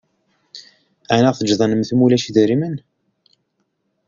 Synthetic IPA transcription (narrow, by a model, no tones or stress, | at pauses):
ænaʁθəd͡ʒðˤɑnəmθmulæʃiðəɾimən